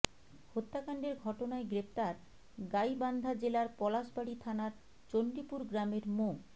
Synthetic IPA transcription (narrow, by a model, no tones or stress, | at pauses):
hot̪ːakaɳɖeɾɡʱɔʈonaeɡɾep̚t̪aɾ | ɡajband̪ʱad͡ʑelaɾpɔlaʃbaɽit̪ʰanaɾ | t͡ɕoɳɖipuɾɡɾameɾmo